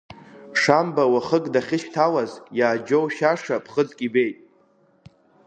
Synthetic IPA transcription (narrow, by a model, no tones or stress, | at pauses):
ʂambawaχəɡʼdaχʲɪʃtʰalazjaːd͡ʒowʃaʂapʰχəd͡zkʼibe̞jtʼ